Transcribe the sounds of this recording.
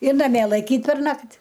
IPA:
ɪr nɐˈmʲiɛ lˠɐɪˈkʲiːt pʲɛrˈnɐkt

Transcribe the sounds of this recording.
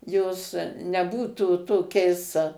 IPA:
joːs nʲɛˈbuːtuː toːˈkʲɛɪs

